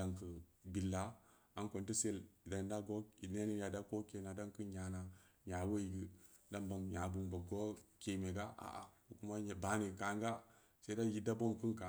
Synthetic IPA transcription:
da˨ŋkə˨bi˨lːa˨˦ | a˦nko˨nti˦se˦lda˨n˦da˦ɡo˦i˨ne˦ni˦ja˨da˦ko˦ke˨na˨da˦ŋkɨ˦nɲa˨na˨ɲa˨we˦˨ɡi˦ | da˦mba˨ŋɲa˨bu˨mba˨ɡo˦ke˨me˨ɡa˦ʔa̰˨ʔa̰˨ku˨ku˦ma˦ɲ˨ba˨˦ni˨ka˨ŋ˦ɡa˦ | se˦da˦ji˦da˦bo˦mku˦nka˨

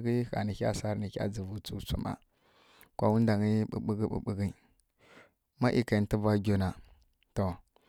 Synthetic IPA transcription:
ɡi˦xa̰˨ni˨kʲa̰˦sa˦ɾni˨kʲa̰˦d͡zi˨vu˦t͡su˦t͡sṵ˦ma̰˨ | kʷa˦wu˦n˦da˨ŋi˦ɓṵ˨ɓu˦ɡi˦ɓṵ˨ɓi˨ɡi˦ | ma˦ʔi˨ka˨˦ti˦va˦ɡʲo˨˦na˨ | to˨

